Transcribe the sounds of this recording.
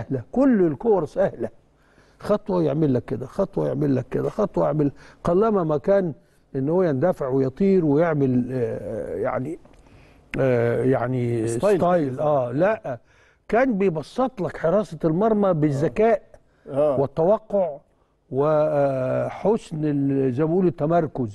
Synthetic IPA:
hlækʊlːɪlkowɾˤsæhlæ | xɑt̪ˤwɑjeʕmɪlːækːɪd̪æxɑt̪ˤwɑjeʕmɪlːækːed̪æxɑt̪ˤwɑjeʕmɪlqɑlːæmæmækæːn | ʔɪnːhowːæjænd̪æfɪʕwɪjɑt̪ˤiːɾwɪjeʕmɪl | ja̰ʕni | jaʕnit̪ˤɑjlʔæːlæʔ | kæːnbɪjbɑsˤːɑt̪ˤlækħeɾˤɑːsˤɑlmɑɾˤmæbɪzːækæːʔ | wɪt̪ːæwɑqːoʕ | wɪ | ħosnɪlzæjːbæʔuːlɪt̪ːæmɑɾˤkʊz

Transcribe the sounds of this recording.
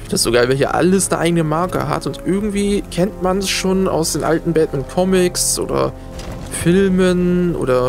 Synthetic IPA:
ɪçd̥asz̥oːɡaɪveɛɐɦːɐʔa̰ləsd̥eːɐʔaɪɡənəmaɐkə̰ɦa̰tʊntʔɪɐɡŋ̩tv̥iːkʰɛntmansʃoːna̰ʊsd̥eːnʔa̰ltn̩bɛːtmɛntkʰɔmɪksʔo̰ːdɐ̰ | fɪlmənʔo̰ːdɐ

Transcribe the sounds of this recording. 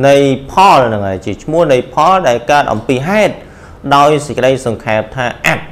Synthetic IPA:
nɨjpʰɑlnɨŋaɛt͡ɕiət͡ɕʰmʊ̆əhnɨjpʰɑlɗaɛlkaət̪̚ʔɑ̰mpiːɦaɛt̪̚ | ɗaɔjsəc̚kə̆ɗəjsɑŋkʰaɛp̚t̪ʰaːʔat̪̚

